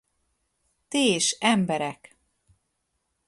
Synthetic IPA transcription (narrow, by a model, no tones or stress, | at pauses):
t̪eːʃɛmbɛɾɛk